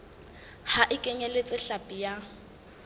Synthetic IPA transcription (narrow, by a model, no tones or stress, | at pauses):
haʔɪkʼɛɲɛlet͡sʼɪɬapʼija